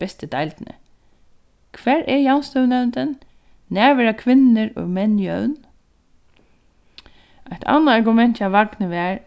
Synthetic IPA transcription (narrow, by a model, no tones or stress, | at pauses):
ɛst̪əd̪ajlt̪nə̰ | kʰʋæːɹʔɛɹjawnst̪œwnɛwnt̪ənː | æːʋɛɾakʰʋɪnːəɹʊ̰mɛnjœwn | ajt̪ʰa̰nːaːɹɡʊmɛnt̪aʋaɡnəʋɛːɹ